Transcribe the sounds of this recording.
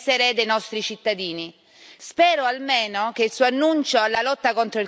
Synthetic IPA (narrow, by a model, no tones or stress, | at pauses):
eɾed̪ejnɔst̪ɾit͡ʃit̪ːad̪iːni | spɛːɾoalmeːnok̟eilsuːoanːunt͡ʃoɛlːalɔt̪ːakont̪ɾoil